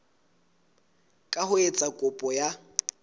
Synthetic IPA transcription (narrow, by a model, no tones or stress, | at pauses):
kʼahʊet͡sʼakʼʊpʼɔja